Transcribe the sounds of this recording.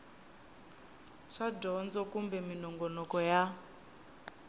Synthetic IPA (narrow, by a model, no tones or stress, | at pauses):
ʂadɔnd͡zɔkumbɛminɔŋɡɔnɔkɔja